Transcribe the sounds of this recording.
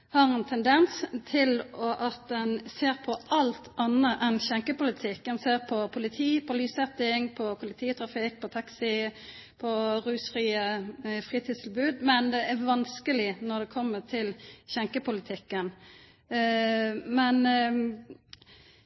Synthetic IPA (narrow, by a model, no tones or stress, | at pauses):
hɑːʁɛnt̪ʰɛnd̪ɛnst̪ʰɪlɔʔɑt̪̚d̪ɛnseːʁpʰɔʔɑlt̪ʔɑnːəʔɛnçɛŋkəpʊlɪt̪ʰɪkːd̪ɛnseːʁpʰɔpʰʊlɪt̪ʰiːpʰɔlyːsɛt̪ːɪŋpʰɔpʰʊlɪt̪ʰiːət̪ʰɾɑfɪk̚pʰɔt̪ʰɑksɪ | pʰɔɾʉːsfʁiːəfʁiːt̪ʰiːst̪ʰɪlbʉːd̪mɛnd̪ɛʔæʋɑnskəlɪnɔʁd̪ɛkʰɔmːət̪ʰɪlçɛŋkəpʊlɪt̪ʰɪkːən | mɛn